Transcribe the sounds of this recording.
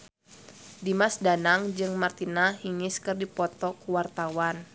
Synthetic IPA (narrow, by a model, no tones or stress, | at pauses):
dimasdanaŋd͡ʒɨŋmart̪inahiŋɪskɨrdipɔt̪ɔkuwart̪awan